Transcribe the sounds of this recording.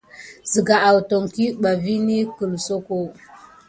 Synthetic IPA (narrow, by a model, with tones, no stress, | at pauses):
zi˨ɡa˨ʔa˨wto˨ŋki˦ɓa˨vi˦ni˦kə˨lso˦ko˦